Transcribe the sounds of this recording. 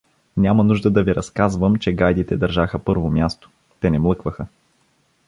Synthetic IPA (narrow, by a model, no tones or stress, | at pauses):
nʲamɐnuʒd̪əd̪ɐviɾɐskazvəmt͡ʃɛɡajd̪it̪ɛd̪ɐɾʒaxəpɤɾvomʲjast̪o̥ | t̪ɛnɛmlˠɤkvəxə